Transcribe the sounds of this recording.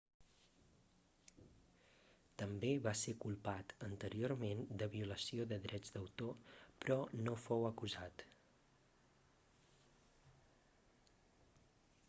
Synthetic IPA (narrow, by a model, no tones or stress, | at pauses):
t̪əmbeβasekulˠpat̪ənt̪əɾioɾmend̪əβiuləsioðəðɾʔɛd͡zd̪əwt̪opɾɔnofowəkuzat̪